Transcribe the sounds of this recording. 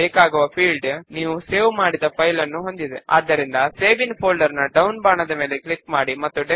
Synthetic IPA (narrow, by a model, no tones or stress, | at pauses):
eːkaːɡuʋɐpʰiːɭɖniːʋuseːʋmaːɽid̪ɐpʰɐjlɐnːuɦo̞nd̪id̪ea̰ːd̪ːɐɾind̪ɐseːʋinpʰoːlɖɐɾnɐɖɐwnbaːɳɐd̪ɐme̞ːle̞klikmaːɽimɐt̪ːuɖe